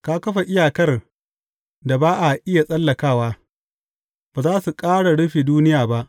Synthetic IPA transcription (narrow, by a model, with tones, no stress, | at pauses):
kaː˦kɐ˦ɸa˨ʔɪ˦jaː˨kɐ˦r | da˨baː˦ʔa˨ʔɪ˦ja˨sʼɐ˦lːɐ˨kaː˦˨waː˦ | baː˨zaː˦su˨kʼaː˦ɽa˨ɽʊ˦ɸiː˨duː˦nɪ˦jaː˨ba˦ʔ